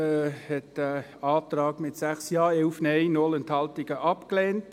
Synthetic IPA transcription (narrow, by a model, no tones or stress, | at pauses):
hɛtəɑːtrɑːɡmɪtsæχsjɑːɛlfnɛɪnɔlɛnthɑltɪɡəʔɑpklɛːnt